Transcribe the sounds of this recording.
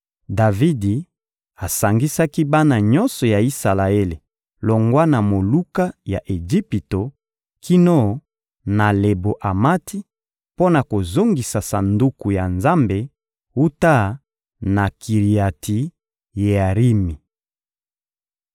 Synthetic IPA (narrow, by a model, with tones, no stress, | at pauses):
da˨vi˦di˨ | a˨sa˨ŋɡi˦sa˦ki˦ba˦na˨ɲɔ˦nsɔ˨ja˨i˦sa˨la˨e˦le˨ | lo˨ŋɡwa˦na˨mo˨lu˦ka˦ja̰˨ʔe˨d͡ʒi˦pi˨to˨ | ki˦no˦˨ | na˨le˨bo˨ʔa˨ma˦ti˦ | po˦na˨ko˨zo˦ŋɡi˨sa˨sa˨ndu˦ku˨ja˨nza˦mbe˨ | u˦ta˦˨ | na˨kʰi˨ʁi˨a˨tʰi˨ | je˨a˨ʁi˦mi˨